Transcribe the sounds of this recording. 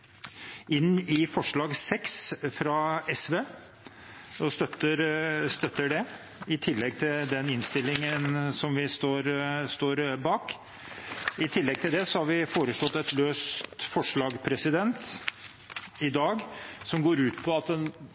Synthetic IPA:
ɪnːɪfɔʂɭɑːɡsɛksfɾɑɛsʋeː | ɔst̪œt̪ːəɾst̪œt̪ːəɖɛ | ɪt̪ʰɪlːɛɡ̚t̪ʰɪld̪ɛnɪnst̪ɪlːɪŋənsɔmʋɪst̪oːɾst̪oːɾbɑːk | ɪt̪ʰɪlːɛɡ̚t̪ʰɪld̪ɛsɔhɑɾʋɪfoːɾəʂɭɔt̪ːɛt̪løːst̪fɔʂɭɑːɡpʰɾɛsɪd̪ɛnt̪ | ɪd̪ɑːɡsɔmɡoːɾʉːt̪pʰɔɑt̪ɛn

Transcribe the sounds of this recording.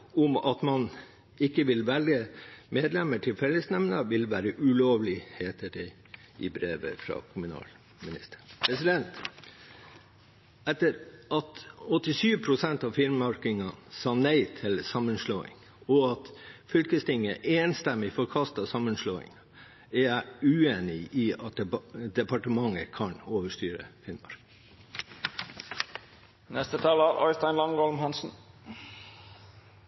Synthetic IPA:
ʊmɑ̰t̪mɑn | ɪkːəʋɪlʋɛlɡəmeːd̪lɛməʈʰɪlfɛlːəsnɛmnəʋɪlʋæːɾəʔʉloːʋlɪheːt̪əɖɛ | ʔɪ̰bɾeːʋə̰fɾɑ̰kʰʊmʉnɑ̰ːl | mɪnɪ̰st̪ə̥pʰɾɛsɪd̪ɛnt̪ | ɛt̪ːəɾʔɑt̪ɔt̪ːɪsyːʋpʰɾʊsɛnt̪ɑʋfɪɾmɑɾkɪŋɑsɑːnæɪt̪ʰɪlsɑmənʂloːɪ̰ŋ | ɔɑt̪fʏlkəst̪ɪŋːəʔeːnst̪ɛmːɪfɔɾkʰɑst̪ɑsɑmːənʂloːɪ̰ŋ | ɛjæɪʉːeːnɪiɑt̪̚d̪ɛpɑʈəmɑŋəkʰɑnoːʋəʂt̪yːɾə̰fɪɾmmɑ̰ɾk | nɛst̪ət̪ʰɑlɑɾʔɑɪst̪æɪnlɑŋɡɔlmhɑnsn̩

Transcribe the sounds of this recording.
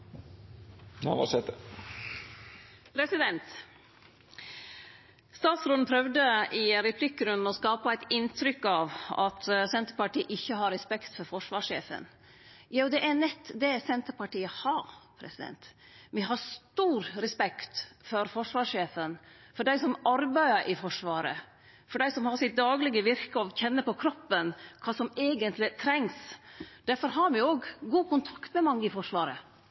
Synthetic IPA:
a̰ʋɑ̰sɛt̪ə | pʰɾɛsɪd̪ɛnt̪ | st̪ɑːt̪sɾɔːd̪n̩pʰɾœʋd̪əɪɾɛpʰlɪkːɾʉnːɔskɑːpəæɪt̪ɪnt̪ʰɾʏkːɑʋɑt̪sɛnt̪əɾpɑʈiːʔɪçːəhɑɾɛspɛkt̪fɔɾfɔʂʋɑːʂḛːfə̰n | jɑːʊd̪ɛʔæɾnɛt̪ːd̪ɛsɛnt̪əɾpɑʈiːəhɑɾpʰɾɛ̰sɪd̪ɛ̰nt̪mɪɦɑɾst̪uːɾɾɛspɛkt̪fɔɾfɔʂʋɑːʂeːfən | fɔɖæɪsɔmɑɾbæɪəɾʔɪfɔʂʋɑːɾə̰ | fɔɖæɪsɔmhɑɾsɪt̪̚d̪ɑːɡlɪɡəʋɪɾkəɔʋçɛnːəpɔkʰɾɔpːənkʰɑːsɔmeːɡənt̪ʰlɪt̪ʰɾɛŋsd̪æɾfɔɾɦɑɾmɪoːɡːuːkʰʊnt̪ʰɑkt̪mɛmɑŋːəɪfɔʂʋɑːɾə

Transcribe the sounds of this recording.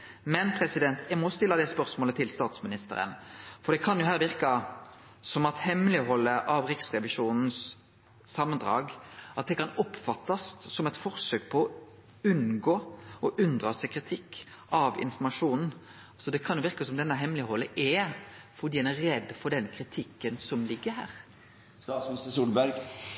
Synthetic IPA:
mɛnpʰɾɛsɪd̪ɛnt̪ʰjæmɔst̪ɪlːəd̪ɛspœɾsmoːlət̪ʰɪlst̪ɑːt̪smɪnɪst̪ə̰ɾə̰nfɔɾd̪ɛkʰɑnjʊɦæːɾʋɪɾkɑ | sɔmɑt̪hɛmːəlɪɦɔlːəʔɑʋɾɪksʁɛʋɪʂuːnn̩s | sɑmːənd̪ʁɑ̰ːɡʔɑt̪̚d̪ɛkɑnɔpfɑt̪ːɑst̪sɔmɛɪt̪fɔʁsøːk̚pʰɔɔ | ʉnɡoːɔʔʉnd̪ʁɑsɛkʰʁɪt̪ʰɪkː | ɑʋɪ̰nfɔmɑʂuːnn̩ | sɔd̪ɛkʰɑnjʊʋɪɾkɑsɔmd̪ɛnːəɦɛmːlɪhɔlːəʔɛfɔd̪iːɛæɾɛd̪ːfɔd̪ɛnkʰɾɪt̪ʰɪkːənsɔmlɪɡːəɾhæ̰ːɾ | sɑsmɪsəsuːlbæɾɡ

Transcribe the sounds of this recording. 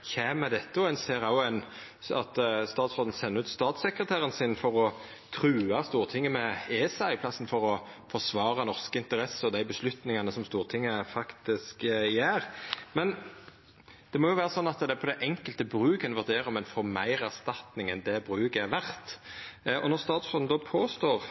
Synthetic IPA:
çeːmɛd̪ɛt̪ːəɔɛnseːɾɑʊɛn | ɑ̰t̪st̪ɑːt̪sfʁɔt̪n̩sɛnːəʉːt̪st̪ɑːt̪sɛkɾət̪ʰæːɾənsɪnfɔʁɔ | t̪ʰʁʉːɑst̪uːʁt̪ʰɪŋːəmɛeːsɑɪpʰlɑsːn̩fɔʁɔ | fɔʁsʋɑːʁɑnɔʁskəɪnt̪əɾɛsːəɔd̪æɪbəslʉt̪nɪŋɑnəsɔmst̪uːʁt̪ʰɪŋːəfɑkt̪ɪskjæːɾmɛn | d̪̥ɛmoːjʊʋæːʁəsɔnːɑt̪d̪ɛpʰɔd̪ɛʔɛŋkəlt̪əbʁʉːɡənʋæʁd̪eːɾɔmɛnfɔʁmæɪʁæʁst̪ɑt̪nɪŋɛnd̪ɛbʁʉːɡəæʋæʁt̪ | ɔ̰nɔʁst̪ɑːt̪sfɔn̩d̪oːpʰoːst̪oːʁ

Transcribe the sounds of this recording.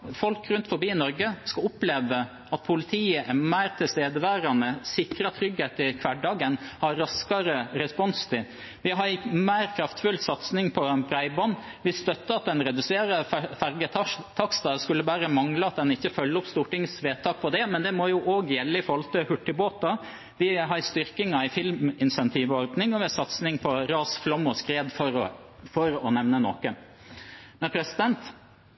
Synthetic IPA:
fɔlkɾʉnt̪fɔɾbiːnɔɾɡəskɑʊpleːʋə | ɑt̪̚pʰʊlɪt̪ʰiːəʔæmæɪɾt̪ʰɪlst̪eːd̪əʋæːɾɑnəsɪkɾɑt̪ʰɾʏɡheːt̪ɪkʰʋæɖɑːɡənhɑɾːɑskɑɾəɾɛspɔnst̪ʰɪ | ʋɪɦɑɾmæɪɾkʰɾɑft̪fʉlsɑt̪snɪŋpʰɔbɾæɪbɔnː | ʋɪst̪œt̪ːəɑt̪̚d̪ɛnɾɛd̪ʉseːɾəfæɾɡət̪ʰɑkst̪ɑskʉlːəbæːɾəmɑŋləɑt̪̚d̪ɛnɪçːəfœlːəɔpst̪uːʈɪŋsʋeːt̪ʰːɑːk̚pʰɔd̪ɛmɛnd̪ɛmɔjʊʔoːɡjɛlːəɪfɔɾhɔlt̪əhʉʈːɪboːt̪ɑ | ʋɪɦɑɾst̪ʏɾkɪŋɑɪfɪlmɪnsɛnt̪ʰiːʋɔɾd̪nɪŋɔʋɛɛsɑt̪snɪŋpʰɔɾɑːsflɔmɔskɾeːd̪fɔ | fɔɾɔnɛʋnənɔ̰kə | mɛnpʰɾɛsɪd̪ɛnt̪

